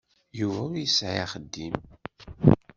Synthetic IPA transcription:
juvæjəsʕiaχəd̪ːim

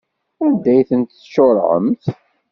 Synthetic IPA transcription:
æd̪æjθənt̪θʃoɾˤʕə̰mθ

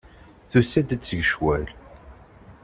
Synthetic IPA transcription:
θusæd̪t͡sːəʝəʃwæl

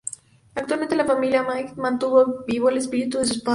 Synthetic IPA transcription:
ak̚t̪walmẽnt̪elafamiljamajkmãnt̪uβobiβoelespiɾit̪uðes̬uspa

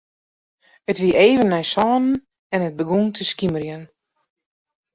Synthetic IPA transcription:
ətʋiəʔeːvənːɛjsɔːnən | ɛnət̚bəɡuntʰəskiməɾjən

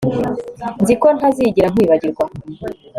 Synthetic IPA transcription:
nziko̞n̥haziɟiɾaŋ̥wiːβaɟiɾɡwa

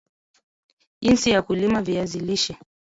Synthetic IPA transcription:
insijakulimaviaziliʃɛ

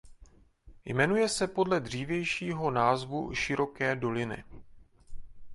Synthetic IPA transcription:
jmɛnujɛsɛpo̞dlɛdr̝iːvjɛjʃiːɦo̞naːzvṵʃɪɾo̞kɛːdo̞lɪnɪ̰

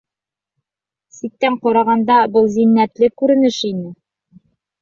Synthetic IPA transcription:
sit̚t̪ːæɴqɑɾɑʁɑnd̪ɑbɤlˠzinːæt̪lɘkʉɾɘ̆nɘʃinɘ

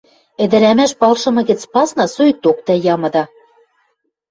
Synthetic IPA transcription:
ɘ̆d̪ɘ̆ɾæmæʃpɑlʃɤ̆mɤ̆ɣɘ̆t͡spɑsnɑsoj̚t̪ok̚t̪æjɑmɤ̆d̪ɑ

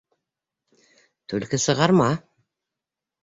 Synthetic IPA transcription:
t̪ʰɵlkɘsɤ̆ʁɑɾmɑ

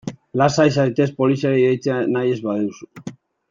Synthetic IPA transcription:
lasajsajt̪e̞spo̞lisiaɾeiðejt͡seanaje̞zβaðeuwsu̥

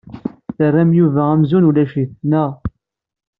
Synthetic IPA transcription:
θərːæmjuvææmzunulæʃiθnæʁ

